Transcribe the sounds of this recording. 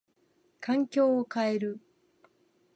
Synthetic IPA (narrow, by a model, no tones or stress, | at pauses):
kʰãŋkʲo̞ːokae̞ɾɯ̟